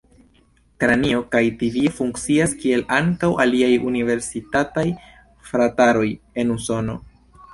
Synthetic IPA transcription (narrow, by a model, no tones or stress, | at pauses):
kɾanio̞kajtivifuŋkt͡siaskie̞laŋkawʔaliajunive̞ɾsitataj | fɾataɾo̞j | e̞nuso̞no̞̰